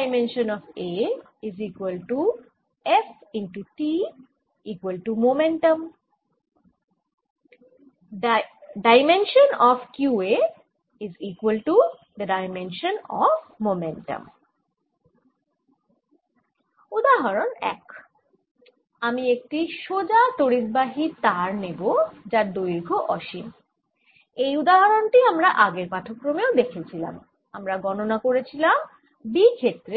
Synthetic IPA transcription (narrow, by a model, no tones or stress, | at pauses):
ɪmẽnʃə̃nɔfe | ɪziːkwəlʈu | efɪ̃ɳʈuʈi | iːkwəlʈumomẽɳʈə̃m | ɖaɪmẽnʃə̃nɔfkjuːe | ɪziːkwəlʈu | d̪əɖaɪmẽnʃə̃nɔ̰ʋmomɛ̃ɳʈə̰̃m | ud̪aɦaɾonɛ̰k | amiek̚ʈiʃod͡ʑat̪oɽid̪baɦit̪aɾnebod͡ʑaɾd̪ojɾɡʱoʔɔʃim | ejud̪aɦaɾonʈiamɾaʔaɡeɾpaʈʰokːɾomeod̪ekʰet͡ɕʰila̰m | amɾaɡɔnonakoɾet͡ɕʰilam | bikʰet̪ːɾe